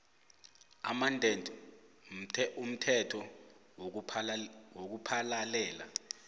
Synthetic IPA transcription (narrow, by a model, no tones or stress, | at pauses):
a̰mandʱentʼm̩tʰɛum̩tʰɛtʰɔ | wok̬upʰalalɛːla̰